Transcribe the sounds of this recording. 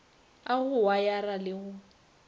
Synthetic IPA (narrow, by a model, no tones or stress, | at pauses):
aɣʊwajaralɪɣʊ